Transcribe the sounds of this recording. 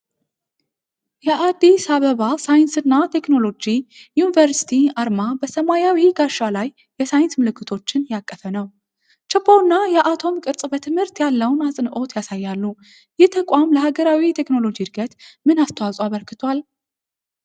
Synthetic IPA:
jɛʔad̪ːisaβəβasajɨnsɨnːat̪ʰe̞kno̞lo̞d͡ʒijunivəɾsi̥t̪ʰiaɾmabəsəmajawiɡaʃalajːɛsajɪnsmɨlɨkʰːɨt̪ʰo̞t͡ʃːɪnjakʼːəfənəw | t͡ʃɛpʰːownːajɛʔat̪ʰo̞mkʼɨɾsʼbət̪ʰɨmhɨɾt̪jalːəwnasʼɨnʔo̞t̪jasajːalːu | jɪht̪ʰəkʼamləhaɡəɾawit̪ʰe̞kno̞lo̞d͡ʒid̪ɡət̪mɨnast̪ʰəwasʼwaβəɾkɨt̪ʰal

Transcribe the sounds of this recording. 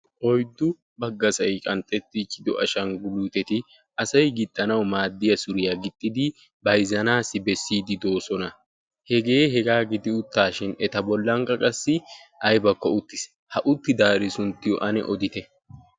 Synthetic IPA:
ʔɔjd̪ːʊ | bɐɡːɐsɐjkʼɐnt̪ʼːɛt̪ːɪt͡ʃːɪd̪ɔʔɐʃɐnɡʊluːt̪ɛt̪ɪ | ʔɐsɐjɡɪt̪ʼːɐnɐwmaːd̪ːɪjɐsʊɾɪjɐɡɪt̪ʼːɪd̪ɪ | bɐjzɐnaːsɪbɛsːiːd̪ɪd̪o̞ːsɔnɐ | hɛɡe̞ːɦɛɡaːɡɪd̪ɪʊt̪ːaːʃɪnɛt̪ɐbɔlːɐŋkʼɐkʼɐsːɪʔɐjbɐkːɔʊt̪ːɪs | hɐʔʊt̪ːɪd̪aːɾɪsʊnt̪ːɪjɔ̰ʔɐnɛ̰ʔɔd̪ɪt̪ɛ

